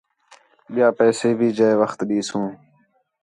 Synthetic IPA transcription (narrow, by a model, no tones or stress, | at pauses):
ɓɪjaːpɛːseːbʱiːd͡ʒəeʋəxt̪ɗiːsũː